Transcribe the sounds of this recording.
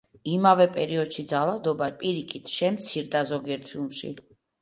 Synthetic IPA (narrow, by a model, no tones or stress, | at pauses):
imavɛpʼɛɾiɔd̪ʃid̪zalˠad̪ɔbapʼiɾikʰit̪ʰʃɛmt̪sʰiɾd̪azɔɡiɛɾt̪ʰimʃḭ